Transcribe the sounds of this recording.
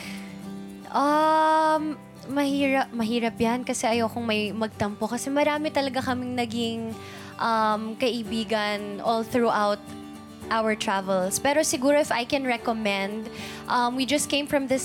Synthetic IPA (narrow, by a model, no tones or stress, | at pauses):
ʔɐ | mː | ɐhiːɹɐp̚mɐɦiːɾɐp̚jankɐsɛʔɐjawkoŋmɐjmɐɡ̚t̪ɐmpokɐsɛmɐɾaːmɪt̪ɐlɐɡakɐmɪŋnɐɡɪŋ | ʔɐmkɐʔɪbiːɡɐnʔɔlθɹuʔawt̪̚ | ʔawəɹt̪ɹavɛlspɛːɾosɪɡuːɾoɪfajkɛ̃nɹɛkomɛ̃nd̪ | ʔɐmwid͡ʒɐst̪̚kẽɪ̃mfɹɐ̃mðɪs